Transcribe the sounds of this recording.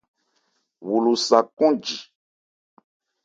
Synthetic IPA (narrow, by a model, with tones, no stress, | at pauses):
wu˨lu˨sa˨kɔ̃˦d͡ʒi˨